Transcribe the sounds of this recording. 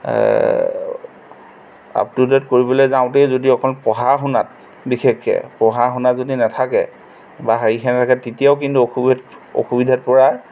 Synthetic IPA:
a̰ptudɛtkoɹibɔlɔjzaʊ̃tejzodiɔkʰɔlpɔɦaɦʊna̰t̚ | bixʰekʰːɛ̰pɔɦaɦʊnazodinatʰakɛ̰ | baɦaɹikʰɛntʰakɛtitijaʊk̬intuoxubto̰xubidʱat̚pɔɹaɹ

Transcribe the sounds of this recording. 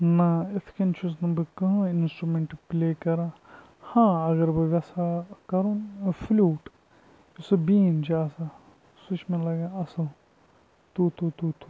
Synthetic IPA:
nɐɪt̪ʰkɐnt͡ʃʰusnɐbɨkɐɦũɪnsʈɾumeɳʈplʲeːkɐɾãː | hãːɐɣɐɾbɨʋʲɐsakɐɾunflʲuːʈ | sɨbĩːnd͡ʒaːsa | sut͡ʃʰmẽlɐɡaɐsɨl | t̪ut̪ut̪uːt̪u

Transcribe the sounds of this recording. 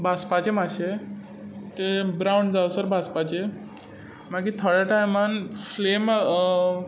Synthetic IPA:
bʱaspat͡ɕemaɕe | t̪ebɾawɳɖd͡zawsəɾbʱaspat͡ɕe | makit̪ʰəɭaʈajmanflema

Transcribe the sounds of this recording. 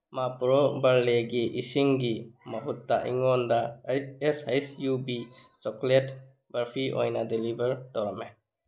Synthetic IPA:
mapɾɔbaɾleɡiʔisiŋɡimɐɦutːaʔḭŋɔndaesajsjubit͡ʃɔklet | baɾpʰiʔɔ̰jnadelibəɾtɔwame

